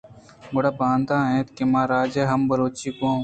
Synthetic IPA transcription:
boɽaːbaːnd̪aːɦẽːt̪kemãːɾaːd͡ʒeːɦəmbəɾoːt͡ʃiːkõː

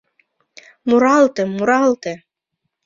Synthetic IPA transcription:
muɾɑlˠt̪ĕmuɾɑlˠt̪ĕ

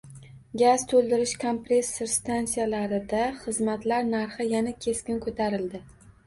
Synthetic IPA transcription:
ɡʲaz̥t̪ʰɵlˠd̪ɪɾɪʃkʰompɾe̞sɪɾst̪ansijalaɾɪd̪aχɨzmat̪laɾnaɾχɪjanakʲʰe̞skʲɪnkʰot̪ʰaɾɪld̪ɪ

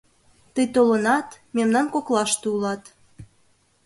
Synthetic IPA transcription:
t̪əjt̪olənɑt̪memnɑnkoklɑʃt̪uulɑt̪

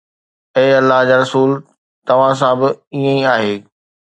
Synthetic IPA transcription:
eːɐlːaɦd͡ʑaːɾɐsuːl | t̪ɐʋ̤ãsãbɪiə̃iaːɦeː

